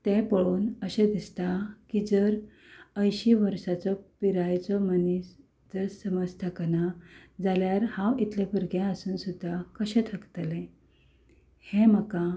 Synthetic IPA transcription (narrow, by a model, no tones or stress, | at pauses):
t̪ẽpəɭuːnəɕẽd̪ist̪akid͡zəɾ | əjɕiʋəɾɕat͡sɔpiɾajt͡sɔmənis | d͡zəsəməd͡zt̪ʰəkənad͡zaljaɾhãwit̪lefəɾɡẽəsuːnsud̪ʱːakəɕẽt̪ʰəkt̪lẽ | hẽməka